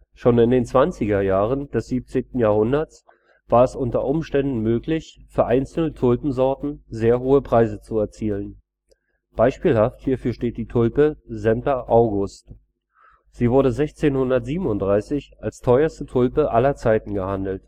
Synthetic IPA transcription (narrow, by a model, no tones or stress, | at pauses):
ʃoːnɪndeːnt͡sv̥ant͡sɪɡɐjaːʁənd̥ɛsz̥iːp̚t͡seːntn̩jaːɐhʊndɐt͡s | v̥aːɐɛsʔʊntɐʔʊmʃtɛndn̩møːklɪçfyːɐʔaɪnt͡sl̩nətʰʊlpm̩zɔɐtn̩zeːɐɦoːəpʁ̥aɪzət͡suɛɐt͡siːlən | b̥aɪʃpiːlhafthiːɐfyːɐʃteːt̚d̥iːtʰʊlpəzɛmptɐʔaʊɡʊst | z̥iːvʊɐɾəzɛçt͡seːnhʊndɐtz̥iːbmʊntd̥ʁaɪsɪçʔalstʰɔʏɐstətʰʊlpəʔalɐt͡saɪtn̩ɡəhandl̩t